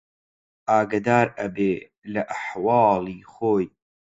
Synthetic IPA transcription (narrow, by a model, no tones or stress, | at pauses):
ʔaːɡɐd̪aːɾɐbeː | lɐʔaħwɑːlˠiːχoːj